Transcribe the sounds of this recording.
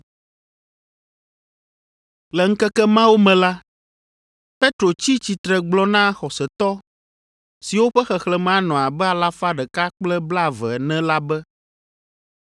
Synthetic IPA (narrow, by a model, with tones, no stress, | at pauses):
lɛ˨ŋ̩˦kɛ˦kɛ˦mã˦wo˦mɛ̃˨la˦ | pe˦t̪ɾo˨t͡ɕi˦t͡ɕi˨t̪ɾɛ˨ɡ͡blɔ˦nã˦xɔ˨sɛ˨t̪ɔ˦ | si˨wo˦ɸɛ˦xɛ˨xlɛ˨mɛ̃˨a˦nɔ̃˨a˨bɛ˦a˨la˦fa˦ɖɛ˨ka˦k͡plɛ˦bla˦˨vɛ˨ɛ˨nɛ̃˦la˦bɛ˦